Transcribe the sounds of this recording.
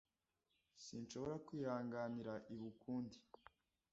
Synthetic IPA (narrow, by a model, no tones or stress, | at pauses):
sinʃo̞βo̞ɾakwiːhaːŋɡaniɾaʔiβukuːndi̥